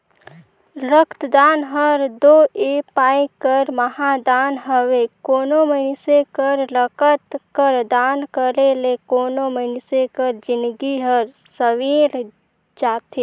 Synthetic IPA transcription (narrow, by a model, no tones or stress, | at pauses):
ɾəkʰt̪d̪aːnɦəɾd̪oːeːpaːikəɾməɦãd̪aːnɦəʋekoːnomənsekəɾləkət̪kəɾd̪aːnkəɾelekoːnomənsekəɾd͡ʒɪnɡiɦəɾ | səʋiːɾ | d͡ʒaːt̪ʰe